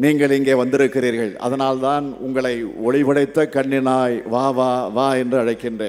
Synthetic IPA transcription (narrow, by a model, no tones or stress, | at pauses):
niːŋɡɐɭɪŋɡeːʋɐnd̪ɪɾɯkːɪriːɾɣɐɭɐ̰ðɐnaːlt̪aːnʊ̰ŋɡɐɭɐɪɔɻɪʋɐɽɐɪt̪ːɐkɐɳːɪnaːjʋaːʋaːʋaːɛndrɯɐɻɐɪkːɪndreː